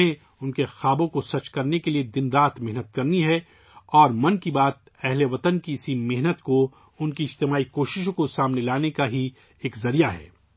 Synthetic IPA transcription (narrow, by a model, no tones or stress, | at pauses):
ẽ | ʊnkexaːbõkosɐt͡ʃkɐɾnekelied̪ɪnɾaːt̪mɛɦnət̪̚kɐɾniɦɛ | ɔːɾmɐnkibaːt̪̚ | ɛɦleʋɐt̪ənkiɪsimɪɦnət̪ko | ʊnkiɪd͡ʒt̪ɪmaːikoːʃɪʃõkosaːmnelaːnekaɦi | eːkzɐɾijaɦɛ̰ː